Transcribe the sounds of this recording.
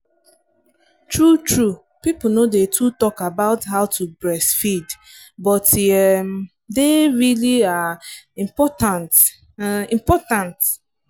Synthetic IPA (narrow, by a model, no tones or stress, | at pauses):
tɹutʰɹu | pipl̩nodetʰutɔkabaʊthaʊtʰubɹɛsfid | bɔtɛm | deɹiliaĩpɔtan | ĩmpɔtãnt